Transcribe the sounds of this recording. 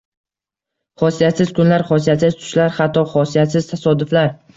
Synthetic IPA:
χɒsijat̪sɪz̥kʰʊnlaɾχɒsijat̪sɪz̥t̪ʰʊ̥ʃlaɾhat̪ʰːɒχɒsijat̪sɪz̥t̪ʰasɒd̪ʊflaɾ

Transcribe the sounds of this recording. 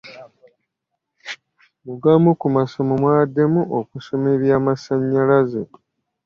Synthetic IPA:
muɡamukumaso̞momwaːdːe̞muʔokuso̞me̞ɾjaːmasaɲːalaze

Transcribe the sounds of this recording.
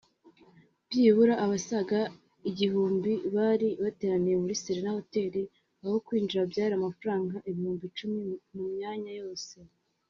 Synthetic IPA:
bjiːβuɾaʔːβasaɡa | iɟihuːmbiβaɾiβate̞ːɾanijemuɾisiɾenaho̞te̞ːɾi | aβokwiːnd͡ʒiɾabjaːɾiamafaɾaːŋɡaʔeβihuːmbit͡ʃumimumɲaːɲajo̞ːse̞

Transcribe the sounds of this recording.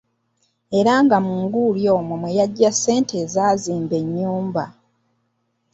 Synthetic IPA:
e̞ɾaŋɡamuŋɡuljo̞ːmumwejaɟːasːe̞ːntʰe̞zaːziːmbe̞ɲːuːmba̰

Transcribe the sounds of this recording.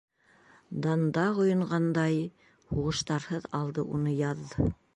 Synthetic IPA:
d̪ɑnd̪ɑʁŏjŏɴɢɑnd̪ɑj | huʁɤ̆ʃt̪ɑɾhɤðɑlˠd̪ɤʔunɤjɑðːɤ

